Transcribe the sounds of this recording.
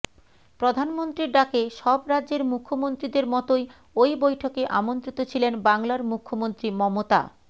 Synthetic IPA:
pɾod̪ʱanmont̪ɾiɖakeʃɔbɾadʑeɾmukʰːomont̪ɾid̪eɾmɔt̪oj | ojbojʈʰokeʔa̰mont̪ɾit̪ot͡ɕʰilenbaŋlaɾmukʰːomont̪ɾimɔmot̪a̰

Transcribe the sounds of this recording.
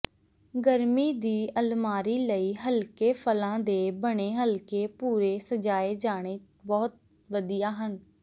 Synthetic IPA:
ɡəɾmiːd̪iːʔəlmaːɾiːləiːɦəlkeːpʰəlãːd̪eːbəɽ̃eːɦəlkeːpuːɾeːsəd͡ʒaːeːd͡ʒaːɽ̃eː | bɔːt̪̚ | ʋəd̪ijaːɦən

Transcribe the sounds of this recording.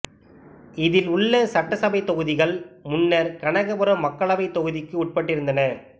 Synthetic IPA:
ɪðɪlʊɭːɐsɐʈːɐsɐbɐɪt̪ːɔɣɯðɪɣɐɭmʊnːɐɾkɐɳɐɣɐpɯɾɐmɐkːɐɭɐʋɐɪt̪ːɔɣɯðɪkːɯʊʈ̚pɐʈːɪɾɯnd̪ɐnɐ

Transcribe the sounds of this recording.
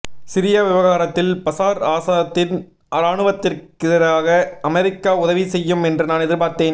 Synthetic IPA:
sɪɾɪjɐʋɪʋɐɣaːɾɐt̪ːɪlpɐsaːɾaːsaðɐt̪ːɪn | ʔɐɾaːɳɯʋɐt̪ːɪrkɪðɐɾaːɣɐɐmɛɾɪkːaːʊðɐʋisɛjːɯmɛndrɯnaːnɛðɪɾpaːɾt̪eːn

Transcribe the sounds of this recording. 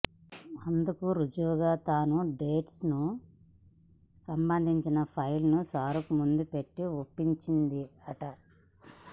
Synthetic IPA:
ɐnd̪ukuɾud͡ʒuʋɡaːt̪aːnuɖeːʈsnu | sɐmbɐnd̪ʱiɲt͡ʃinɐpʰɐjlnusaːɾukumund̪upe̞ʈːiopːiɲt͡ʃind̪iɐʈɐ

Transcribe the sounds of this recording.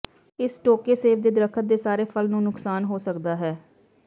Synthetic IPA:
ɪsʈoːkeːseːbd̪eːd̪əɾəkʰət̪̚d̪eːsaːɾeːpʰəlnũːnʊksaːnɦoːsəkd̪aːɦɛː

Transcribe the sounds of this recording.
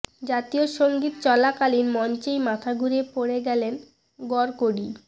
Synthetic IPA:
d͡ʑat̪ioʃoŋɡit̪t͡ɕɔlakalinmɔnt͡ɕejmat̪ʰaɡuɾepoɽeɡɛlen | ɡɔɾkoɽi

